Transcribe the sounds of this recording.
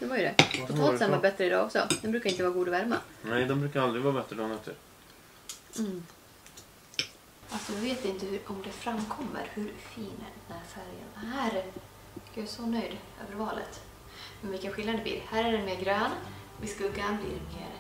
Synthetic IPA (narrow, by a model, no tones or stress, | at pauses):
d̪̥ɛvaɾjəd̪ɛpʰɔt̪ʰoːsɛnvaɾbɛt̪ːɾəɪd̪ɑːɔksɔ̰d̪ɛnbɾʉːkaɾɪnt̪əvɑːɾɡuːd̪ɔvæɾma̰nɛjd̪ɛmbɾʉkaɾald̪ɾɪɡvɑːɾbɛt̪ɾəd̪ɔnat̪ʰːɪ̰ɾ | alsɔd̪ɔveːt̪vɪɪnt̪əhɵɾʔɔmd̪ɛfɾamːkʰɔmːə̰ɾhɵɾfiːnd̪ɛnæɾfæɾjə̰nhæːɾ | ɛɾjɑsɔnœjd̪ | ø̰ːvəɾvɑːlə̰t̪ | mɛnvɪlkːənɧɪlːad̪ɛb̪ɪ̰ːɾhæːɾæɖɛnmeːɾɡɾøːnvɪskɵɡanblɪ̰ɾmḛːɾ